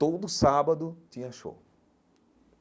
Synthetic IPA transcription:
t̪od̪ʊsabɐd̪ʊt̪ĩɲɐʃo̰w

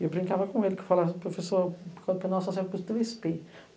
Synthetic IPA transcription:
ewbɾĩŋkavɐkõelɪkɪ̥falapɾofesoɾkɐ̃d̪pẽnawsɔsɛvput̪evɛspe

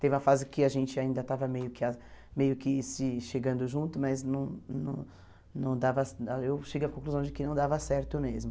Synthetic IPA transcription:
t̪evɪũm̃ɐfazɪkɪaʒẽnt͡ʃɪaĩnd̪ɐt̪avɐmejʊkɪamejʊkɪsɪʃeɡɐ̃nd̪ʊʒũt̪ʊmɐznɐ̃w̃nɐ̰̃w̃ | nɐ̃w̃d̪avɐsaewʃeɡɪɐkõkluzɐ̃w̃d͡ʒɪkɪnɐ̃w̃d̪avɐsɛɾt̪ʊʊmezmʊ

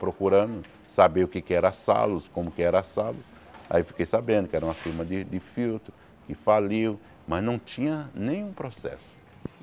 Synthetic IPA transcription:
pɾokuɾɐ̃d̪ʊ | sabeʊkekɪɛɾɐasa̰lʊskõmʊkɪɛɾɐasalʊs | a̰iwfi̥kejsabẽnd̪ʊkɪɛɾɐũmɐfiɾmɐd̪ɪd̪ɪfiwt̪ɾʊ | kɪfaliw | mɐznɐ̃w̃t͡ʃĩɲɐnẽj̃ũpɾosɛ̰sʊ̥

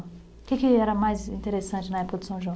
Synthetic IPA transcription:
kɪkɪɛɾɐmajzĩnt̪eɾesɐ̃nt͡ʃɪnɐɛpʊkɐd̪ɪ̥sɐ̃w̃ʒɐ̃

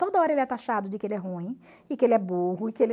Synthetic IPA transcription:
t̪od̪ɐɔɾɐelɪɛt̪aʃad̪ʊd͡ʒɪkɪelɪɛɦũĩ | ɪkɪelɪɛboɦʊɪkɪel

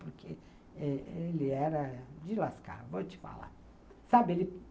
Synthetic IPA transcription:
poɾkʰe | ɛelɪɛɾɐd͡ʒɪlaska̰ɾvot͡ʃɪ̥fa̰la̰ | sabɪelɪ

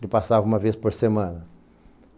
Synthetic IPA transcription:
kɪpasavɐũmɐvespoɾsemɐ̃nɐ

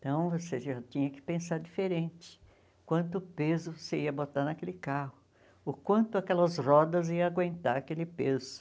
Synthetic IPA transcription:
ẽt̪ɐ̃w̃voseʒat͡ʃĩɲɐkɪ̥pẽsaɾd͡ʒifeɾẽnt͡ʃɪ̥ | kwɐ̃nt̪ʊpezʊvoseiɐbot̪aɾnɐkelɪkahʊ | ʊkwɐ̃nt̪ʊakɛlɐzrɔd̪ɐziɐaɡwẽnt̪aɾakelɪpezʊ

